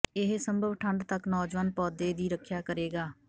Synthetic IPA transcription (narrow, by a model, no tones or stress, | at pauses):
ɪɦsəmbʱəʋʈʰəɳɖt̪əknɔːd͡ʒʋaːnpɔːd̪eːd̪iːɾəkʰːjaːkəɾeːɡaː